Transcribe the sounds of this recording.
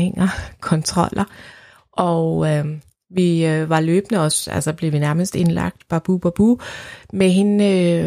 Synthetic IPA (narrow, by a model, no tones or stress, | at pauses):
eŋ̰ɐkʰɒ̽nt͡sʰʁɒ̽l̰ʔɐ | ʔɒ | ʋiʋɑ̈løːb̥nəɒ̽sæ̰lsɐb̥le̝ʋinæɐməsd̥e̝nlɑ̈ɡ̥̚d̥b̥ɑ̈b̥ub̥ɑb̥umeɦe̝nø